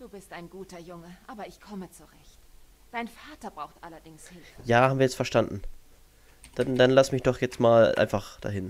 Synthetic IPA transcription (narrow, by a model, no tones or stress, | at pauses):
d̥uːbɪstʔaɪnɡuːtɐjʊŋəʔaːbɐɪçkʰɔmət͡suʁɛçt | d̥aɪnfaːtɐbʁaʊxtʔalɐdɪŋshɪlfjaːhabm̩viɐjɛt͡stfɛɐʃtandn̩ | d̥andanlasmɪçd̥ɔχjɛt͡stmaːlʔa̰ɪnfaχd̥a̰ːɦɪn